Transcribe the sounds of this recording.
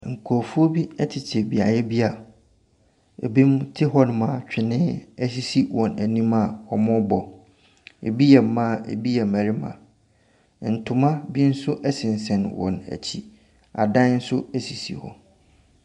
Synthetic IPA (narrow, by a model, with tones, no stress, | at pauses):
ŋ̩˨kʰɔ˨fu˦o˦bi˦ɛ˦tʰɪ˨t͡ɕʰɪ˨bi˨a˨jɛ˦bi˦a˨ | ḛ˨bi˦m˦tʰɪ˦ɦɔ˦nʊ̃˨mã˨t͡ɕᶣɪ˨nɪ̃ː˦æ˦si˦si˦wɔ̃˨næ˨nĩ˦ma˨ɔ˨mʊ̃˦bɔ˨ | ḛ˨bi˦jɛ˨m˨˦mã˦˨ḛ˨bi˦jɛ˨mæ˨ɾi˦mã̰˨ | n̩˨tʰʊ˨mã˦bi˦n̩˦sʊ˦ʔɛ˦sɪ̃˨n̩˨sɛ̃˨nwɔ̰̃˨næ̰˨t͡ɕʰi˦ | a̰˨dã˦n̩˦sʊ˦æ˨si˨sḭ˨hɔ̰˨